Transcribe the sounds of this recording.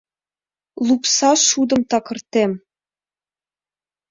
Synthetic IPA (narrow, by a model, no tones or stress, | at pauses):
lˠupsɑʃud̪ɤ̆mt̪ɑkɤ̆rt̪em